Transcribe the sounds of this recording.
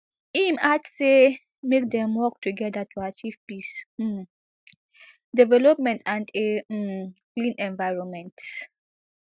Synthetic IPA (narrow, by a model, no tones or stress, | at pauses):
imatːe | mek̚dɛ̃mwɔk̚tuɡɛdatuat͡ʃiv̥pis̩ | dɛvɛlɔp̚mɛ̃ntʰãnde | klĩnʔɛ̃nvaɪɹɔ̃nmɛ̃nt